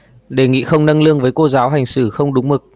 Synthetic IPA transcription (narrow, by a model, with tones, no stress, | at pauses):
ɗe˨˩ŋḭ˧˨xə˧wŋ͡mnə˧ŋlɨ˧əŋvəː˨˦jko˧zaː˨˦wɦa˨˩jŋ̟sɨ˧˩xə˧wŋ͡mɗʊ˨˦ŋ͡mmɨ˨˩k̚